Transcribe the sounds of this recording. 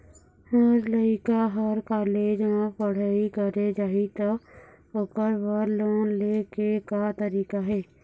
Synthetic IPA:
ɔːɾləikaɦəɾkaːleːd͡ʒãpəɽ̤aːikəɾed͡ʒaːit̪o | ʊkəɾwəɾloːnleːkekat̪əɾiːkaɦɛː

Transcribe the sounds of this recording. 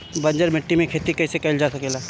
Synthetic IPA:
bɐ̃ɲd͡ʒəɾmɪʈːimẽkʰeːt̪ikɐɪsekɐɪld͡ʒaːsɐkeːla

